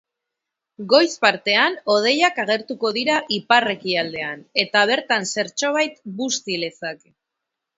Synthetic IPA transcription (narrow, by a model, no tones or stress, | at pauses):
ɡo̞jspaɾt̪e̞ano̞ð̞e̞jakaɣ̞e̞ɾt̪uko̞ðiɾaʔipare̞kiald̪e̞ane̞t̪aβ̞e̞ɾt̪anse̞ɾt͡ʃo̞β̞ajt̪bust̪ilesak